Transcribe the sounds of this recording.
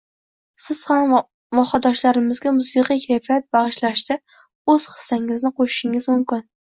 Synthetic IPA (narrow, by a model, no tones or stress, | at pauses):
sɪz̥ham | vɒχɑd̪ɒʃlaɾɪmɪzɡʲamʊsɨqijkʲʰajfijat̪̚bɑʁɨʃlaʃt̪a | ɵz̥χɨ̥sːaŋɪznɪqʰoʃɪ̥ʃɪŋɪzmʊmkʲɪn